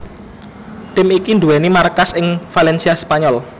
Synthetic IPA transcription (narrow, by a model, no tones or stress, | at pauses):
t̪ɪmikind̪uwɛnimarkasɪŋfalɛnsiaspaɲɔl